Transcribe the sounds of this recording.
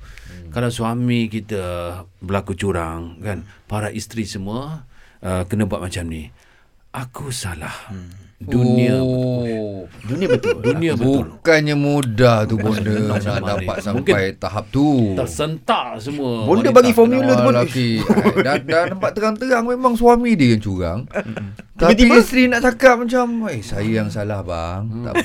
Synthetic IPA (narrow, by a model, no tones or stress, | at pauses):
kalawsuamikit̪əbəlakut͡ʃuɾaŋkanpaɾaʔist̪ɾisəmuəʔəkənəbua̰t̪̚mat͡ʃamni | ʔakusala̰hdunĩəb | duniəbət̪duniəbəbukanɲamudaht̪ubɔndənadapat̪̚samumpajt̪aɦap̚t̪ut̪əsənt̪aʔsəmũəbondəbaɡifɔmjulət̪lakidadant̪əmpat̪ːəɾaŋt̪əaŋmemaŋsuwamidəjaŋt͡ʃuɾa̰ŋ | t̪at̪iiist̪ɾinaʔt͡ʃakat̚mat͡ʃamesajajaŋsalahba̰ŋt̪a̰